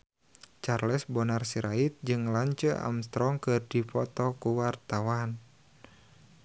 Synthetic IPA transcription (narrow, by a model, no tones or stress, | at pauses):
t͡ʃarlɛsbɔnarsiɾʔait̪̚d͡ʒɨŋlaɲt͡ʃəa̰mst̪ɾɔŋkɨrdipɔt̪ɔkuwart̪awan